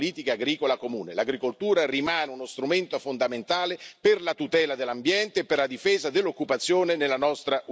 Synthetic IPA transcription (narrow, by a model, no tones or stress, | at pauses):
liːt̪ikaːɡɾiːkolakomuːnelaɡɾikolt̪uːɾarimaːneunost̪ɾument̪ofond̪ament̪aːleperlat̪ut̪ɛːlad̪elːambjɛnt̪eːpːerlad̪ifeːzad̪elːokːupat̪sːjoːnenelːanɔst̪ɾaʔ